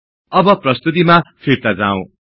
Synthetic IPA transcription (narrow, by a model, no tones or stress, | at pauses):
ʌbʌprʌst̪ut̪̬imapʰirt̪ad͡zaw̃